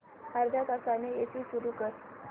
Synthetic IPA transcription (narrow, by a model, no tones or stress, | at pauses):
haɾd̪ʱjak̪asaneesiːsuɾukəɾ